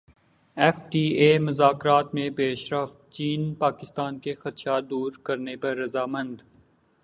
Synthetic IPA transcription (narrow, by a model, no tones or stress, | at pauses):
ɛːfʈiːeːmʊzaːkɾaːt̪mẽpeːʃɾəft̪̚t͡ʃiːnpaːkɪst̪aːnkexɐt̪ʃad̪uːɾkɐɾnepɐɾːɐzaːmɐ̃nd̪